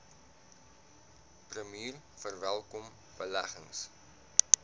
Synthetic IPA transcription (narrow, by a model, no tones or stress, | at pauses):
prəmiːr | fərvælˠkɔm | b̥əlæχəŋs